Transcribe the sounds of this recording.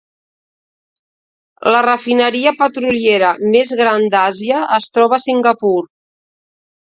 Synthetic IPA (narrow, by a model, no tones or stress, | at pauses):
lərəfinəɾiəpət̪ɾulieɾəmezɣɾand̪aziəəst̪ɾɔβ̞əsiŋɡəpuɾ